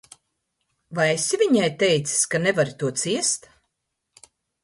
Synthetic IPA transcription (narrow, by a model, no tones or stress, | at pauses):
vajesʲivʲiɲajt̪ɛjt̪si̥sʲkanɛvaɾit̪uɔt̪siɛst̪